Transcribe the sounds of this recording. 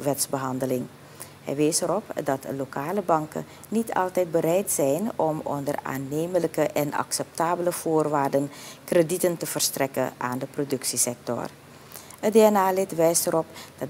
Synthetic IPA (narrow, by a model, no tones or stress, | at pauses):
ʋɛtsbəɦɑndəlɪŋ | ɦɛ̰jʋɛjsəɾɔpdɑtəlokaːləbɑŋkə̰ | nitʰɑ̰lˠtɛjt̚bəɾɛjtsɛjnɔmɔ̰ndəra̰ːnːejmələkəʔɛnɑ̰ksɛp̚taːbələv̥oːrʋaːrdənkreditəntəv̥ərstrɛkə̰nʔa̰ːndəprodɵksisɛk̚tɔ̰r | ədeːɛnaːlɪtʋɛjstəɾɔpd̥ɑ